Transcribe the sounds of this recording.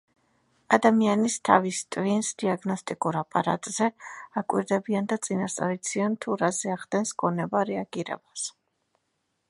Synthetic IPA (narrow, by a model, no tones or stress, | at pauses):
ad̪amianist̪ʰa̰vist̪ʼvinsd̪iaɡnɔst̪ʼikʼuɾapʼaɾa̰t̪ʼz̥ɛakʼwḭɾd̪ɛbiand̪at̪sʼinast̪sʼa̰ɾit̪sʰiant̪ʰuɾazɛaʁd̪ɛnsɡɔnɛbaɾɛaɡ̥iɾɛ̰b̥as